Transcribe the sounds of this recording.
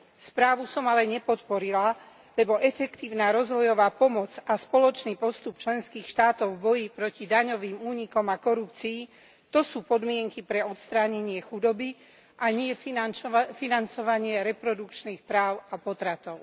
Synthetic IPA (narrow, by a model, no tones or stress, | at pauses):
spɾaːʋusɔmalɛɲɛpɔt̪pɔɾila | lɛbɔʔɛfɛkt̪iːʊnaːɾɔzʋɔjɔʋaːpɔmɔd͡zaspɔlɔt͡ʃniːpɔst̪up̚t͡ʃlɛnskiːxʃt̪aːt̪ɔʊvbɔjipɾɔcid̪aɲɔʋiːmuːɲikɔmakɔɾupt͡siː | t̪ɔsuːpɔd̪mɪɛŋkipɾɛɔt̪st̪ɾaːɲɛɲɪɛxud̪ɔbi | ʔaɲɪɛ | finant͡sɔʋaɲɪɛɾɛpɾɔd̪ukt͡ʃniːxpɾaːʊapɔt̪ɾat̪ɔʊ